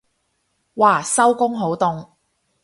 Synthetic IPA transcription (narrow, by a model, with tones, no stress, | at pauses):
waː˨˩sɐ˥wkʊ˥ŋɦo˨˥wt̪ʊ˧ŋ